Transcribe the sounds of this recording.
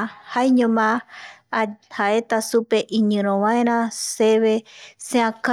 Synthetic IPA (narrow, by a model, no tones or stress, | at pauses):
hajɲõmã | haʔet̪asupe̞ʔĩɲɨ̃ɾ̃õʋãẽɾ̃ãseβeseãka